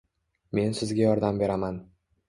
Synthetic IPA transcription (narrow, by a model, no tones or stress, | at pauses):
me̞nsɪzɡʲajɒɾd̪ambe̞ɾaman